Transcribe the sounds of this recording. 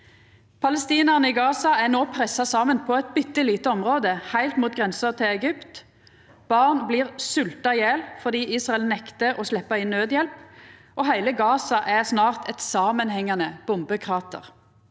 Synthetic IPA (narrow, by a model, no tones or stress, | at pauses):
pʰɑləst̪iːnəʁnəɪɡɑːsɑæʁnoːpʰʁɛsɑsɑːmənpʰɔɛt̪̚bʏt̪ːəliːt̪əɔmʁoːd̪əhæɪlt̪muːt̪̚ɡʁɛnsəʁt̪ʰɪlɛɡʏpt̪ | b̥ɑʁnbliːʁsʉlt̪ɑjeːlfɔʁd̪iːiːsʁɑɛlnɛkt̪əʔɔslɛpːəɪnːøːd̪jɛlpʔoːhæɪləɡɑːsɑʔæʁsnɑːʁt̪ʰɛt̪sɑːmənhɛŋːɑnəb̥ʊmbəkʰʁɑːt̪ə̰ʁ